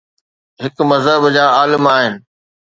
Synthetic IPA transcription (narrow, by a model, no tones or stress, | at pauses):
ɦɪkmɐzɦəbd͡ʑaːaːlɪmaːɦɪnɪ̆